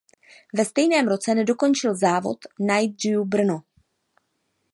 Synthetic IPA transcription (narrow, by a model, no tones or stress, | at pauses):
vɛst̪ɛjnɛːmɾo̞t͡sɛnɛdo̞ko̞nt͡ʃɪlzaːvo̞̰t̪najd̪̚rijubr̩no